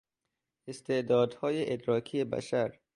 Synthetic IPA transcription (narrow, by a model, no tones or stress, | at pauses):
ɪst̪ed̪ɔːd̪hɔːjeʔɪd̪ɾɒːkʰijeba̰ʃaɾ